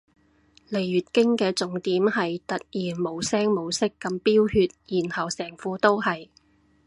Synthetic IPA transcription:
le˨˩jɥyː˨t̚kɪ˥ŋkɛː˧t͡sʊ˨˥ŋt̪iː˨˥mɦɐ˨jt̪ɐ˨t̚jiː˨˩nmo˨˧wsɛː˥ŋmo˨˧wsɪ˥kːɐ˧mpiː˥whyː˧t̚jiː˨˩nhɐ˨wsɛː˨˩ŋfuː˧˥t̪o˥whɐ˨j

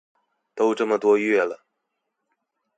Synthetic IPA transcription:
t̪o˥ʊʈ͡ʂɤ˥˩mə˩t̪wɔ˥ɥɛ˥˩lə˩

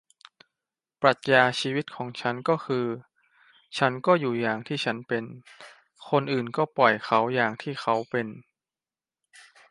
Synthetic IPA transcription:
pɾa˨˩t̪̚jaː˧t͡ɕʰiː˧wi˦˥t̪̚kʰɔː˩˦ŋt͡ɕʰa˦˥nkɔː˥˩xʰɯː˧ | t͡ɕʰa˦˥nkɔː˥˩juː˨˩jaː˨˩ŋt̪ʰiː˥˩t͡ɕʰa˦˥npe˧n | kʰo˧nʔɯː˨˩nkɔː˥˩pɔ˨˩jxʰa˦˥wjaː˨˩ŋt̪ʰiː˥˩xʰa˦˥wpe˧n

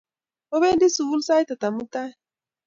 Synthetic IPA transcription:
o˦be˦n̩˦dɪ˦su˨wu˦lsa˦ɪ˦ta˨ta˨m̩˦ta˦

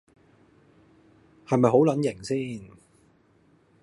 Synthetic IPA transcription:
hɐ˨jmɐ˨jɦo˨˥wlɐ˨˥njɪ˨˩ŋsiː˥n

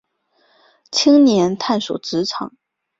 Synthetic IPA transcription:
t͡ɕʰi˥ŋnjɛ˧˥nt̪ʰa˥˩nʂo˨˩ʊʈ͡ʂɻ̩˧˥ʈ͡ʂʰɑ̰˨˩˦ŋ

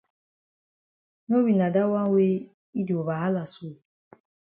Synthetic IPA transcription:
no˦wi˨na˨da˦wa˦ŋ̩˦we˦ | i˦di˨o˨βa˨ɦa˦la˨su˦˨

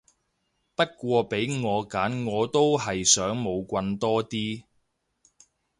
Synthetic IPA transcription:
pɐ˥t̚kʷɔː˧pe˨˥jŋɔː˨˧kaː˨˥nŋɔː˨˧t̪o˥wɦɐ˨jsœː˨˥ŋmo˨˧wkʷɐ˧nt̪ɔː˥t̪iː˥

